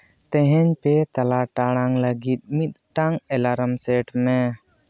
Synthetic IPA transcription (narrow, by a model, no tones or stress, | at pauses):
t̪ɛɦɛ̃ɲpɛt̪alaʈaɽ̃aŋləɡit̪̚mit̪̚ʈaŋɛlaɾəmsɛʈmɛ